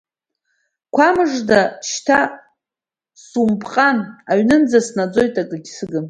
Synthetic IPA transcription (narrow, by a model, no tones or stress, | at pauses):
kʷʰamɨʐdaʃtʰa | sumpʰʼqʼanaɥnɨnd͡zasnad͡zo̞jtʼakʼɨɡʲsɨɡɨn